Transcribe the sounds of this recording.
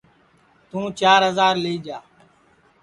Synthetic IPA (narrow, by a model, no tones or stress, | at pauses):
t̪ũːt͡ʃaːɾɦəzaːɾleiːd͡ʒaː